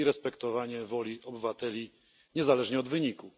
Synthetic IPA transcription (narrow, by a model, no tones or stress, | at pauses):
iɾɛspɛkt̪ɔvaɲɛvɔlʲiʔɔbɘvat̪ɛlʲi | ɲɛzalɛʐɲɛɔd̪vɘɲiku